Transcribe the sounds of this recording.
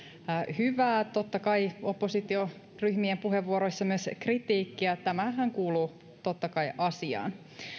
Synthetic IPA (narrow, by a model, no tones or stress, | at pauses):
hyʋæːt̪ot̪ːɑkɑiopːosit̪io | ryhmiempuɦeʋːuoɾoisːɑmyøskrit̪iːkːiɑt̪æmæɦæŋkuːluː | t̪ot̪ːɑkɑiʔɑsiɑ̰ːn